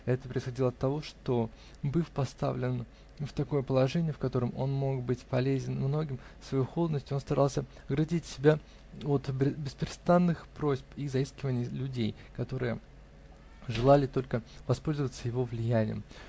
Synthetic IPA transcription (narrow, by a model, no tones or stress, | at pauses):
ɛt̪əpɾʲəɪsxɐdʲilˠəɐt̪ːɐvo̞ʂt̪o̞ | bɨfpɐst̪a̰vlʲɪn | ft̪ɐko̞jəpəlˠɐʐɛnʲɪjəfkɐt̪o̞ɾəmo̞̰nmo̞kbɨtʲpɐlʲezʲɪnmno̞ɡʲɪmsvɐjuxo̞lˠəd̪nəsʲtʲɪo̞nst̪ɐɾʔɑlˠsʲə | ɡɾɐdʲitʲsʲɪbʲa | o̞t̪bʲɪspɾʲɪst̪anːɨxpɾo̞zʲpizɐiskʲɪvənʲɪjəlʲʉdʲej | kɐt̪o̞ɾɨjə | ʐɨlˠalʲɪt̪o̞lʲkəvɐspo̞lʲzəvət̪səjɪvo̞vlʲɪjænʲɪjə̰m